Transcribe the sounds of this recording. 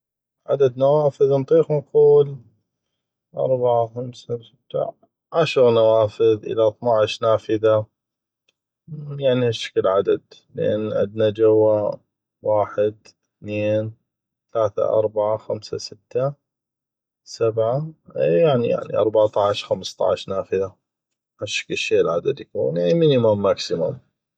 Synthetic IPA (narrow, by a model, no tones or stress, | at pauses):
ʕa̰d̪ad̪nawaːfəðnt̪ˤiːxnquːl | ʔɑ̰ɾˤbaʕaxamsasɪt̪ːa̰ | ʕaʃɾnawaːfɪðʔɪ̰lat̪ˤnaʕɪʃnaːfɪða | jaʕnihaʃːḁkəlʕad̪ad̪lə̰ʔa̰nːʔa̰d̪nad͡ʒawːa | waːħɪd̪ | θneːn | θalaːθa̰ʔɑ̰ɾˤbaʕaxamsa̰sɪt̪ːa | sabʕajaʕnija̰ʕnḭʔɑ̰ɾˤbaʕt̪ˤɑʕʃxamst̪ˤɑ̰ʕʃnaːfɪða | haʃːḁkɪʃːeːʔlʕad̪ad̪ikunaiminimamːaksɪmʊm